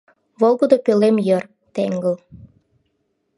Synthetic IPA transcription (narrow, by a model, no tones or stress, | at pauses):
βolˠɣod̪okølemjər | t̪eŋɡə̆l